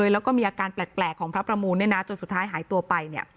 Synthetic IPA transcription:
ɤː˧jlɛː˦˥wkɔː˥˩miː˧ʔaː˧kaː˧nplɛː˨˩k̚plɛː˨˩kʰːɔː˩˦ŋpʰɾa˦˥pɾa˧muː˧nːa˥˩jnaː˦˥t͡ɕo˧nsu˨˩t̪ʰːaː˦˥jɦaː˩˦jt̪u˧ɐpa˧jni˥˩ɐ

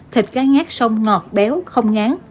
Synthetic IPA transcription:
t̪ʰi˨˩k̟̚kaː˨˦ŋaː˦˥k̚sə˧wŋ͡mŋɔ˨˩t̚ɓɛ˨˦wxə˧wŋ͡mŋaː˨˦n

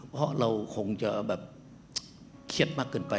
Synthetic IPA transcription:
hɔ̰˧˥˨ʔlə˧˩wxo˨˧˩ŋt͡ɕəː˧˩ɓɛː˨˩p̚ | xʰi˧˩ət̚ma˦˥kːə˨˧˩npa˨˧˩

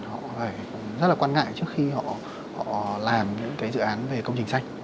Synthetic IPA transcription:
hɔ̰˧˨faː˧˩j | zə˦˥t̚laː˨˩waː˧nŋa̰ː˧˨jt͡ɕɨ˦˥əkxi˧hɔ̰˧˨ | hɔ̰˧˨laː˨˩mɲɨ̰˧˥ŋkaː˨˦jzɨ̰˧˨ʔaː˨˦nve˨˩kə˧wŋ͡mt͡ɕï˨˩ŋ̟sa˧jŋ̟

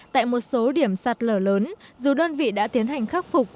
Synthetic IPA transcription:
t̪a̰ː˧˨jmo˨˩t̚so˨˦ɗi˧˩əmsa˨˩t̚ləː˧˩ləː˨˦nzu˨˩ɗəː˧nvḭ˧˨ɗa̰ː˧˥t̪i˨˦ənɦa˨˩jŋ̟xaː˦˥k̚fʊ˨˩k͡p̚

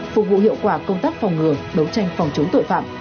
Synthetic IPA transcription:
fʊ˨˩k̚vṵ˧˨ɦḭ˧˨əwkwaː˧˩kə˧wŋ͡mt̪aː˦˥k̚fɔ˨˩wŋ͡mŋɨ˨˩əɗə˨˦wt͡ɕa˧jŋ̟fwŋ͡mt͡ɕə˨˦ŋ͡mt̪o̰˧˨jfa̰ː˧˨mʔ

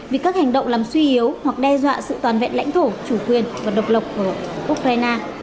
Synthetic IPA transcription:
vi˨˩kaː˦˥k̚ha˨˩ŋ̟ɗə̰˧˨wŋ͡mlaː˨˩mswi˧ʔi˨˦əwhwa˨˩k̚ɗɛ˧zwa̰ː˧˨sɨ̰˧˨t̪waː˨˩nvḛ˧˨nla̰˧˥jŋ̟t̪ʰo˧˩t͡ɕu˧˩kwi˨˩ənvaː˨˩ɗə˨˩wk͡p̚lə˨˩wk͡p̚ku˧˩ʔu˦˥k̚ɾaː˧jnaː˧

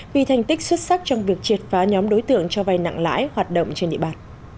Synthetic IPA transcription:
vḭ˨˩t̪ʰa˨˩jŋ̟t̪ï˦˥k̚swə˦˥t̚sa˦˥k̚t͡ɕɔ˧wŋ͡mvi˨˩ək̚t͡ɕi˨˩ət̚faː˨˦ɲɔ˨˦mɗo˨˦jt̪ɨ̰˧˨əŋt͡ɕɔ˧va˧jna̰˧˨ŋla̰ː˧˥jhwaː˨˩t̚ɗə̰˧˨wŋ͡mt͡ɕe˧nɗḭ˧əɓaː˨˩n

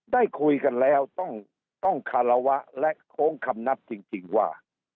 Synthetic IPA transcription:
daː˥˩jkʰu˧jka˧nlɛː˦˥wt̪ɔ˥˩ŋ | t̪ɔ˥˩ŋkʰa˧la˧wa˦˥ʔlɛ˦˥ʔkʰoː˦˥ŋkʰa˧mna˦˥p̚t͡ɕi˧ŋt͡ɕi˧ŋwaː˥˩

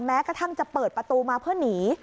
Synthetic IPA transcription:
mɛː˦˥kɾa˧t̪ʰa˥˩ŋt͡ɕa˨˩pɤː˨˩t̪̚pɾa˧t̪uː˧maː˧pʰɯ˥˩əniː˩˦

